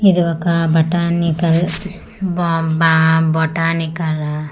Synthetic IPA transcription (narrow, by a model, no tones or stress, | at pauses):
id̪uʋɐkabɐʈaːnikɐl | bbabɔʈaːnikɐla